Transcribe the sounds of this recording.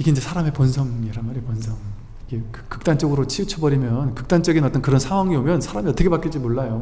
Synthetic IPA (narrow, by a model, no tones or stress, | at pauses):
iɡeind͡ʑe̞sʰaɾame̞ponsʰʌŋiɾanmaɾeponsʰʌŋ | iɡekɯkɯk̚t͈ant͡ɕ͈ʌɡɯɾot͡ɕʰiut͡ɕʰʌbʌɾimjʌnkɯ̥k̚t͈ant͡ɕ͈ʌɡinʌt͈ʌnkɯɾʌnsʰaŋɦwaŋiomjʌnsʰaɾamiʌt͈ʌkʰepak͈id͡ʑimoɭːajo